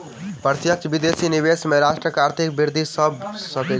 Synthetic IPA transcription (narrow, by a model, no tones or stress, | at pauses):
pəɾt̪jət͡ʃbid̪esinibesmeɾaʃʈɾəkaɾt̪ʰikbiɾd̪ʱisəbsəkɛ